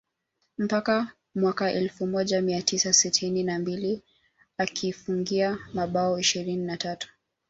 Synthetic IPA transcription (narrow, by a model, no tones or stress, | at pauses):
m̩paka | mwakaʔɛlfumɔʄamiatʰisasitʰininambili | akʰifuŋɡiamaɓaɔiʃiɾininatatu̥